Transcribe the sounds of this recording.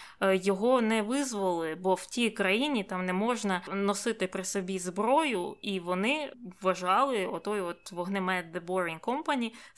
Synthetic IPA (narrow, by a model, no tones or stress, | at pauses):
jɔɦɔnɛʋɪzʋɔlˠɪbɔw̥tʲijkɾɐjinʲit̪ɑmnɛmɔʒnɐnɔsɪt̪ɪpɾɪsɔbʲizbɾɔjʊiʋɔnɪʋɐʒɑlˠɪɔt̪ɔjɔt̪ʋɔɦnemɛt̪̚d̪ebɔɾɪnkɔmpɐnʲij